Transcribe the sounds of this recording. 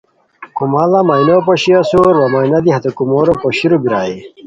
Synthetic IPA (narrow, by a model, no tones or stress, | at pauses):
kumalamajnopoɕiasoɾwɐmɐinɐd̪iɦɐt̪ekumoːɾopoɕiɾobiɾaːe